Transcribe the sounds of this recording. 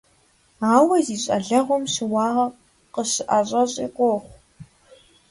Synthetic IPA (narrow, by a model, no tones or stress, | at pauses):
aːwɐziːɕʼɐ̰ɮɐʁʷɔmɕɪwɑːʁɐ | qəɕɨʔaɕʼɐɕʼḭːqʷoːχʷ